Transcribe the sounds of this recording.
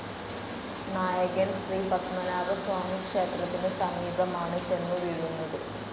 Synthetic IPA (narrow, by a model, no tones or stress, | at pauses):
naːjɐɡensɾiːbɐkmɐnaːɾɐsʋaːmiːkʂeːt̪ɐlɐt̪inɨsɐmiːbʱɐmaːɳɐt͡ʃenːuʋiɻunːɐd̪i